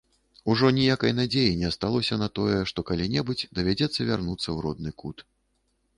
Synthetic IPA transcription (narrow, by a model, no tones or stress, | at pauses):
uʐɔnʲijakɐjnad͡zʲejinʲɛst̪alˠɔsʲɐnat̪ɔjɛʂt̪ɔkalʲinʲɛbɨd͡zʲd̪ɐvʲad͡zʲɛt̪sːɐvʲarnut̪sːɐwɾɔd̪̚nɨkut̪